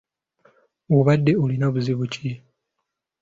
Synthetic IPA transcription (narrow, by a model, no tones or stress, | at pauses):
oβadːe̞olinaβuziβuci